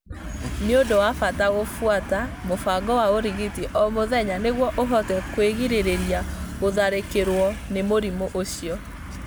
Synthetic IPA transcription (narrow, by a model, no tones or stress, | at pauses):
neodowafataɣofwatamofaɡɔwaoɾiɣitiʔɔmoðɛɲaneɣwɔʔoɦɔtɛkweɣiɾeɾeɾjaɣoðaɾekeɾwɔnemoɾimoʔoɕiɔ